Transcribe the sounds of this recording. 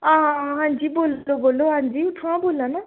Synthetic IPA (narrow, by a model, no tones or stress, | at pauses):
ãːɦɦãːnd͡ʒiboːloboːlːoɦãːnd͡ʒiːʊʈʰːãboːlːãna